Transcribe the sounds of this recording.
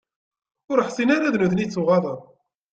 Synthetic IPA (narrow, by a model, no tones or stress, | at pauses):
ʊɾəħsˤinaɾaðnuθnit͡sːuʁɑðˤən